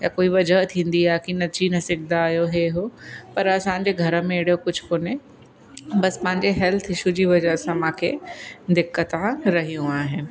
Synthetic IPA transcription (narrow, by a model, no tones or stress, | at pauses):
jakoːiʋɐd͡ʑəɦt̪ʰĩːn̆d̪iaːkinɐt͡ɕinɐsɪɡʰʱd̪aːɦijoɦeɦopɐɾɐsãːɲ̆d͡ʑeɡʱɐɾəmẽɪɽ̤ijokʊd͡ʑʱkoːne | bɐspɐ̃ɦɪ̃ɲd͡ʑeɦɛlt̪ʰɦɪʃud͡ʑiʋɐd͡ʑəɦsãmãːkʰed̪ɪkːət̪ãɾɐɦijũaːɦɪnɪ̆